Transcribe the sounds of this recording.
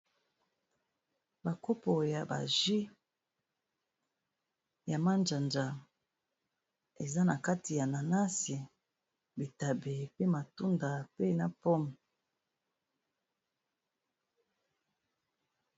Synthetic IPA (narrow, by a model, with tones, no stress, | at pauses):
ba˨ko˦po˨ja˨ba̰˨ʒi˦ | ja˨ma˦nd͡ʒa˨nd͡ʒa˨ | e˨za˦na˨ka˦ti˨ja˨na˨na˦si˨ | bi˨ta˨be˨pe˦ma˨tu˦nda˨pe˦na˨pɔ˦m˨